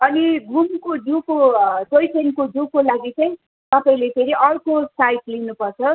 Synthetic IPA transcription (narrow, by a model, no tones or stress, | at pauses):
ʌniɡʱumkoɖukot͡sojʈʰenkoɖukolaɡit͡saĩ | t̪ʌpãĩlepʰeɾiʔʌrkosajʈlinupʌrt͡sʰʌ